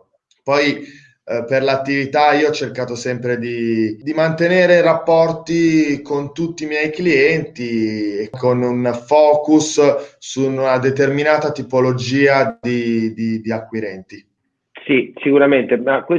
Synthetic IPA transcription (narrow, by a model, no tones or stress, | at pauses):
pɔj | perlat̪ːivit̪aiːoɔt͡ʃːerkaːt̪osɛmpɾed̪id̪imant̪eneːɾeɾapːɔrt̪ikont̪ut̪ːiːmjɛjkliɛnt̪iekʰːonunfɔːkussunad̪et̪erminaːt̪at̪ipolod͡ʒiːad̪id̪id̪iakːwiɾɛnt̪i | sisikuɾament̪emakwe